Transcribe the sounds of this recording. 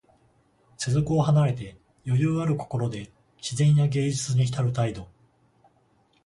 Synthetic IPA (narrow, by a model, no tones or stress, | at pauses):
se̞zo̞kɯ̟oɦanaɾe̞t̪e̞ | jo̞jɯːaɾɯ̟ko̞̥ko̞ɾo̞d̪e̞ | ɕizẽ̞ɰ̃jaɡe̞ːd͡ʑit͡sɨɲ̟içi̥t̪aɾɯ̟t̪aid̪o̞